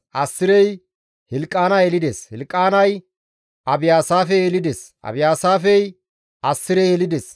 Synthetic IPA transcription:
ʔɐsːɪɾɛj | hɪlkʼːaːnɐjelɪd̪ɛshɪlkʼːaːnɐj | ʔɐbɪjaːsaːfɛeːlɪd̪ɛsʔɐ̰bɪjaːsaːfɛj | ɐsːɪɾɛjeːlɪd̪ɛs

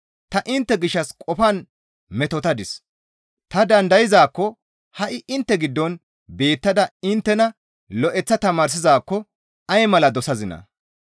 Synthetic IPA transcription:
t̪ɐʔɪnt̪ːɛɡɪʃːɐskʼɔfɐn | mɛt̪ɔt̪ɐd̪ɪs | t̪ɐd̪ɐnd̪ɐjɪzaːkːɔ | hɐʔɪʔɪnt̪ːɛɡɪd̪ːɔn | be̞ːt̪ːɐd̪ɐɪnt̪ːɛnɐ | lɔʔɛt͡sːɐt̪ɐmaːɾs̬ɪzaːkːɔ | ɐjmɐlɐd̪ɔsɐzɪnɐ̰

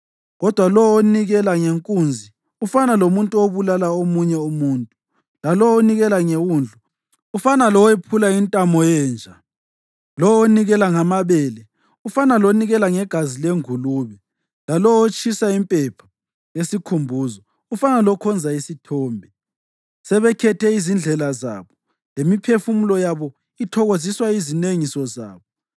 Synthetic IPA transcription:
ɣɔd̥ʱwalɔoniɣɛlaŋeŋkʼuːnd͡zʱi | ufanalomuntʼuoβulalaomuɲɛumuːntʼu | lalɔoniɣɛlaŋewuːnd͡ɮʱu | ufanalɔwɛpʰulaintʼamɔjɛːnd͡ʒʱa | lɔoniɣɛlaŋamaβɛːlɛ | ufanaloniɣɛlaŋɛɡ̥ʱazileŋuluβɛ | lalɔot͡ʃʼʰisaimpʼɛpʰḁ | jesikʰumbʱuːzɔ | ufanalɔkʰɔnd͡zʱaisitʰɔːmbʱɛ | sɛβɛkʰɛtʰɛizind͡ɮʱɛlaza̰ːβɔ | lemipʰefumulɔjaβɔ | itʰɔɣoziswaizineŋisɔza̰ːβɔ

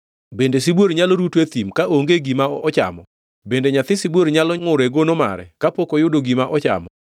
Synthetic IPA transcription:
bendesibwoɾɲalɔɾutwet̪imkaʔoŋɡeɡimaɔt͡ʃa̰mɔ | bendeɲat̪ɪsibwoɾɲalɔŋʊɾeɡonoma̰ɾɛ̰kapokojʊdoɡimaʔɔt͡ʃa̰mɔ

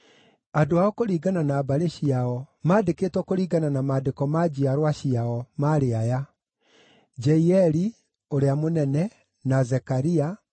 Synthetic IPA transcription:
adoaɔkoɾiːɡananaːbaɾeɕiaɔmaːdeketwɔkoɾiːɡananamaːdekɔmad͡ʑiaɾwaɕiaɔmaɾeaja | d͡ʒɛiɛɾi | oɾeamonɛnɛ | nazɛkaɾia

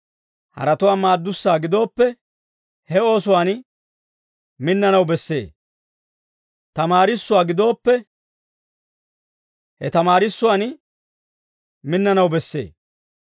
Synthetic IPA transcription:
hɐ̰ɾɐt̪ʊwaːmaːd̪ːʊsːaːɡɪd̪o̞ːpːɛ | hɛo̞ːsʊwaːn | mɪnːɐnɐwbɛsːe̞̰ː | t̪ɐmaːɾɪsːʊwaːɡɪd̪o̞ːpːɛ | hɛt̪ɐmaːɾɪsːʊwaːn | mɪnːɐnɐwbɛsːe̞̰ː

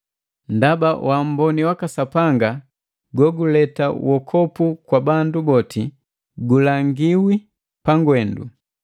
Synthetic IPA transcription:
ndabawʔam̩bɔniwakasapaŋɡa | ɡɔɡulɛta̰wɔkʰɔpukwabandubɔti | ɡulaŋɡiwi | paŋɡwɛndṵ

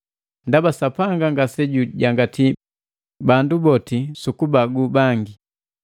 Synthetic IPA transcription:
ndabasapaŋɡaŋɡasɛɟuɟaŋɡati | bandubɔtisukubaɡubaŋɡi

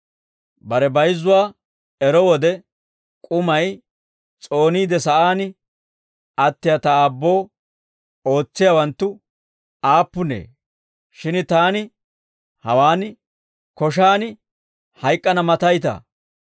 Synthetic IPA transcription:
bɐɾɛbɐjzːʊwaː | ɛɾɔwɔd̪ɛ | kʼʊmɐj | t͡sʼo̞ːniːd̪ɛsɐʔaːnɪ | ɐt̪ːɪjɐt̪ɐaːbːo̞ː | o̞ːt͡sːɪjawɐnt̪ːʊ | aːpːʊnḛː | ʃɪnt̪aːnɪ | hɐwaːnɪ | kɔʃ̬aːnɪ | hɐjkʼːɐnɐmɐt̪ɐjt̪ɐ̰

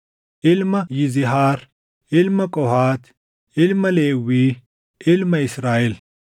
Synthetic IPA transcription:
ilmɐjiziɦaːɾ | ilmɐkoɦaːt̪ | ilmɐleːwi | ɪlmɐisɾaːil

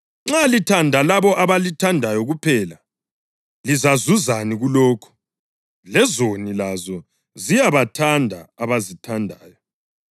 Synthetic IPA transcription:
ŋ͡ǁalitʰandʱalaβɔʔaβalitʰandʱajɔɣupʰɛla | lizazuzaniɣulɔːkʰu̥ | lɛzonilazɔ | zijaβatʰandʱa̰ːβazitʰandʱaːjɔ

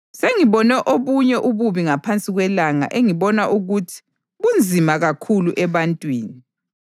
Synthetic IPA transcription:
seŋiβɔnɛʔoβuɲɛʔuβuβiŋapʰant͡sʼiɣwɛlaŋa̰ʔeŋiβɔnaʔuɣutʰi̥ | ɣund͡zʱimaɣakʰuluʔɛβantʼwiːni

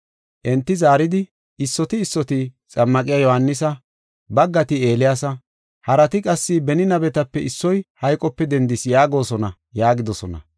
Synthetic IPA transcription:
ʔɛnt̪ːɪzaːɾɪd̪ɪ | ɪsːɔt̪ɪːsːɔt̪ɪt͡sʼɐmːɐkʼɪjaːjɔhɐnːɪs̬ɐ | bɐɡːɐt̪ɪe̞ːlɪjaːsɐ | hɐɾɐt̪ɪkʼɐsːɪbɛnɪnɐbɛt̪ɐpːɛɪsːɔjhɐjkʼɔpːɛd̪ɛnd̪ɪsjaːɡo̞ːsɔnɐ | jaːɡɪd̪ɔsɔnɐ̰

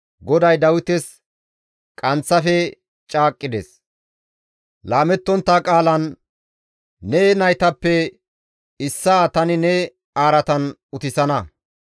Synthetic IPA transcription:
ɡɔd̪ɐjd̪ɐwʊt̪ɛs | kʼɐnt͡sːɐfɛ | t͡ʃʼaːkʼːɪd̪ɛ̰s | laːmɛt̪ːɔnt̪ːaːkʼaːlɐn | ɛnɐjt̪ɐpːɛ | ɪsːaːt̪ɐnɪnɛ | aːɾɐt̪ɐn | ʊt̪ɪsɐnɐ

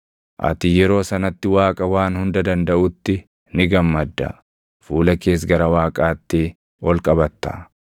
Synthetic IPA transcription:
ʔɐ̰t̪ɪjɛɾo̞ːsɐnɐt̪ːɪwaːkʼɐwaːnhʊnd̪ɐd̪ɐnd̪ɐʔʊt̪ːɪ | nɪɡɐmːɐd̪ːɐ̰ | fuːlɐke̞ːs̬ɡɐɾɐwaːkʼaːt̪ːɪ | wɔlkʼɐbɐt̪ːɐ̰

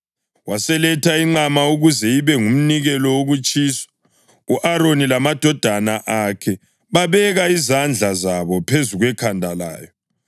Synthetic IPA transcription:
wasɛlɛtʰaiŋ͡ǃamauɣuzɛiβɛŋum̩niɣɛlɔwoɣut͡ʃʼiːsḁ | uʔaɾonilamad̥ʱɔd̥ʱanaʔakʰɛ | βaβɛɣaizand͡ɮʱazaβɔpʰezuɣwɛkʰandʱala̰ːjɔ

